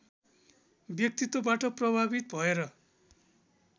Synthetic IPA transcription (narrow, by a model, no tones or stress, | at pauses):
bjʌk̚t̪it̪ːobaʈʌprʌbʱabit̪bʱʌeɾʌ